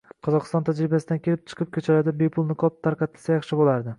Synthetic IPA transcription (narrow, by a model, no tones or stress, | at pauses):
qʰɒzɒqɨst̪ɒnt̪ʰad͡ʒɾɪbasɪd̪ankʲʰe̞lɪp̚t͡ʃʰɨ̥qʰɨp̚kʲʰɵt͡ʃʰalad̪ɪbe̞pʰʊlˠnɪkʰɒp̚t̪ʰːaɾqɑt̪ʰːɪlsajɑχʃɪbolaɾd̪ɪ